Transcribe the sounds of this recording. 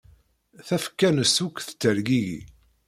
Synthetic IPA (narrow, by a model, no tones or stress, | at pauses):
θæfə̥kːænəsukːθə̥t͡sːəɾɡijḭ